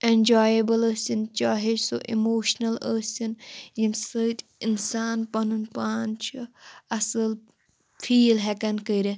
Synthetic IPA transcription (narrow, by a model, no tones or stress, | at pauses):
enʲd͡ʒaːjɐbɐləsint͡ʃaːɦed͡ʒsoʔimoːʃnɐləːsʲinjinsət̪ʲinsaːnpɐnunpaːnt͡ʃʰɐɐsɨl | fʰiːlɦɛkɐnkəɾe